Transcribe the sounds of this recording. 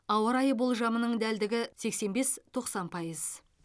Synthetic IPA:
ɑwəɾɑjəbo̞lˠʒɑmənəɴd̪æld̪ɪɡʲɪse̞kse̞nbe̞st̪ʰo̞qsɑnpʰɑjəz̥

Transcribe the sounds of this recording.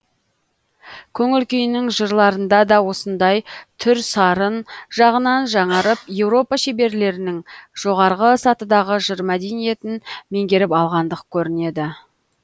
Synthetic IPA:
kʲʰɵŋɪlkʲʰejɪnɪŋʒəɾlˠɑɾənd̪ɑd̪ɑwo̞sənd̪ɑjt̪ʰʏɾsɑɾənʒɑʁənɑnʒɑɴɑɾəp̚je̞wɾo̞pɑʃe̞be̞ɾle̞ɾɪnɪŋʒ̥o̞ʁɑɾʁəsɑt̪əd̪ɑʁəʒəɾmæd̪e̞nije̞t̪ɪnme̞ŋɡʲe̞ɾɪpɑlˠʁɑnd̪əqkʲʰɵɾɪne̞d̪ɪ

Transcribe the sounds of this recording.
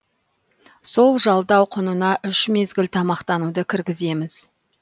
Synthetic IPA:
so̞lˠʒɑlˠd̪ɑwqʰʊnənɑʔʏʃme̞zɡʲɪlt̪ʰɑmɑqt̪ɑnud̪əkʲʰɪɾɡʲɪze̞mɪz̥

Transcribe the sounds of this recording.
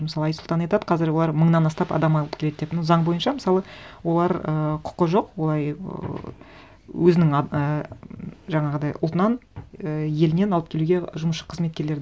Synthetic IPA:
məsɑlˠɑjsʊlˠt̪ɑnɑjt̪ɑd̪ə̥qʰɑzɪɾwolˠɑɾməɴnɑnɑst̪ɑpɑ̰d̪ɑmɑlˠəpkʲʰee̞d̪d̪epnɑwzɑɴbo̞jənʃɑmɪsɑlˠəwo̞lˠɑɾəqʰʊ̥qːəʒo̞qwolˠɑj | wɵzɪnɪŋə | ʒɑɴɑʁəd̪ɑjʔʊlˠt̪ənɑnəje̞lɪne̞nɑlˠəp̚kʲʰe̞luɡʲe̞ʒʊməsʃə̥qʰəzme̞t̪̚kʲe̞ɾleɾd̪

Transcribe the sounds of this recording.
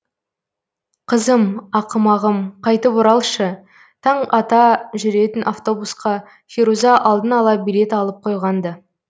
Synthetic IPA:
qʰəzəmɑqəmɑʁəmqʰɑjt̪əpʊɾɑlˠʃə | t̪ʰɑɴɑt̪ɑʒʏɾe̞t̪ɪnʔaft̪o̞busqɑ | fʲiɾuzɑʔɑlˠd̪ənɑlˠɑbijle̞t̪ɑlˠəp̚qʰo̞jʁɑnd̪ə

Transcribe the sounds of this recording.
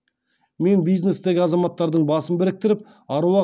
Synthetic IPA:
me̞nbijzne̞st̪e̞ɡʲɪɑzɑmɑt̪ːɑɾd̪əɴbɑsəmbɪɾɪk̚t̪ɪɾɪp̚ | ɑɾuwɑ

